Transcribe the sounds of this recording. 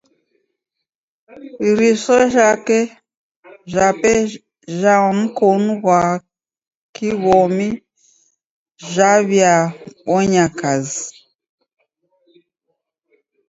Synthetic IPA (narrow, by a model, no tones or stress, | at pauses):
βiɾisɔʒakɛ | ʒapɛ | ʒam̩kɔnuɣwa | kiβɔmi | ʒaβjaβɔɲakazi